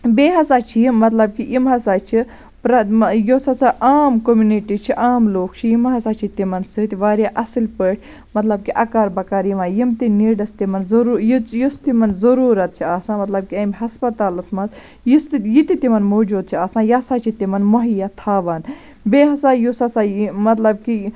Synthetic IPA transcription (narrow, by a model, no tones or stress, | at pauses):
beːɦɐsaːt͡ʃʰijimɐt̪lɐb̚kiʔimɦɐsaːt͡ʃʰi | pɾɐjosɐsaʔaːmkomjuniʈit͡ʃʰiʔaːmloːk̚ʰt͡ʃʰijimɦɐsaːt͡ʃʰit̪imɐnsɨt̪ʋaːɾjaːʔɐsilpəːʈʰʲ | mɐt̪lɐb̚kiʔɐkaːɾbɐkaːɾjiʋãːjimt̪iniːɖɐst̪imɐnzɐɾuːjjust̪imɐnzɐɾuːɾɐt̪̚t͡ʃʰiaːsãːmɐt̪lɐb̚kiɐmʲɦɐspɐt̪aːlɐt̪ʰmɐz | jist̪jit̪it̪imɐnmoːd͡ʒuːd̪̚t͡ʃʰiaːsãːjasaːt͡ʃʰit̪imɐnmoɦijat̪ʰaːʋɐn | beɦɐsajosɐsamɐt̪lɐb̚ki